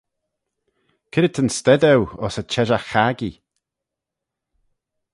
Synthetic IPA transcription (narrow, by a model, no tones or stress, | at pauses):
kʰɪɾɪt̪ʰənst̪ɛd̪ɛwɔsət͡ʃʰɛʒaxaɡi